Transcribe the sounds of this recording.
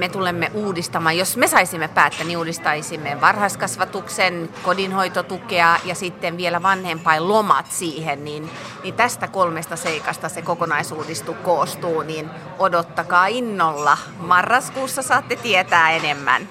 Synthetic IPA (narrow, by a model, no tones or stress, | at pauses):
met̪ulemːeʔuːdist̪ɑmɑːjjosmesɑisimːepæːt̪ːæniuːdist̪ɑisimːeʋɑrhɑskɑsʋɑt̪uksenkodinhoit̪ot̪ukeɑjɑsit̪ːeʋʋielæʋɑnhempɑillomɑ̰t̪siːhennin | nit̪æst̪ækolmest̪ɑseikɑst̪ɑsekokonɑisuːdist̪ukoːst̪uːnin | odot̪ːɑkɑːinːolːɑ | mɑrːɑskuːsːɑsɑːt̪ːet̪iet̪æːenemːæ̰n